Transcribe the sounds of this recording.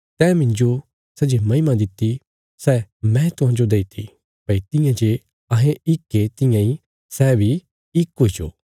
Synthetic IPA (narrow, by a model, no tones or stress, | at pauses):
t̪ɛːmɪ̃nd͡ʒo | sɛd͡ʒemɐ̃ɪmãd̪ɪt̪ːi | sɛːmɛ̃t̪ʊɦãd͡ʒod̪eit̪ʰi | pɐit̪ɪ̃jãd͡ʒe | ɐɦẽɪkːet̪ɪ̃jãĩ | sɛːbʱi | ɪkːoːit͡ʃoː